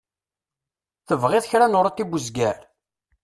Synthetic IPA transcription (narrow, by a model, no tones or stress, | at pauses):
θəvʁeðçɾanʊɾˤat̪ːibuzɡæɾ